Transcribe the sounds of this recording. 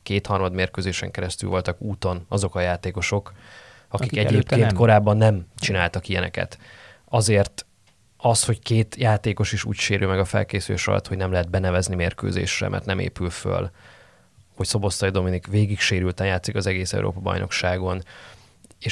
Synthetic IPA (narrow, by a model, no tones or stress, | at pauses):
keːt̪hɒrmɒd̪meːrkøːzeːʃɛ̰ŋkɛɾɛst̪y̰lvo̞lt̪ɒkuːt̪o̞nɒzo̞kɒjaːt̪eːko̞ʃo̞k | ɒkikɛɟeːp̚keːnko̞ɾaːbːɒnːɛmt͡ʃinaːlt̪ɒkijɛnɛ̰kɛ̰t̪ | ɒzeːrt̪ | ɒsho̞ckeːt̪jaːt̪eːko̞ʃiʃṵːcʃeːɾʔylmɛɡɒfɛ̰lkeːsyleːʃrɒ̰lɒ̰t̪ho̞ɟnɛmlɛɦɛd̪̚bɛnɛvɛznimeːrkø̰ːzḛːʃrɛ̰mʔɛ̰rt̪nɛmḛːpylfø̰l | ho̞cso̞bo̞st̪ːɒjd̪o̞minikveːɡikʃeːɾylt̪ɛnjaːt̪sikɒzɛɡeːsɛ̰ṵɾʔo̰ːpɒbɒ̰jnʔo̞̰kʃaːɡo̞n | eːʃ